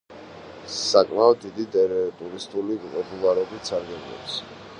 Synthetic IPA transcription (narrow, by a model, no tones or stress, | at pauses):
sakʼmaɔd̪̚d̪ːid̪it̪ʼɛɾɛt̪ʼuɾist̪ʼulipʼɔpʼulˠaɾɔbit̪saɾɡɛblɔ̰ps